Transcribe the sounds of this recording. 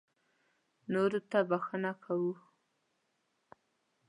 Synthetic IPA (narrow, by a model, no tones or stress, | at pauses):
noɾot̪abaxənakʰawu